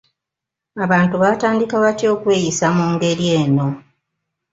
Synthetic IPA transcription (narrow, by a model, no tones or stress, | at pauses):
aβaːntuβaːtaːndikaβatjo̞ːkwe̞ːjisamuːŋɡe̞ɾie̞ːno̞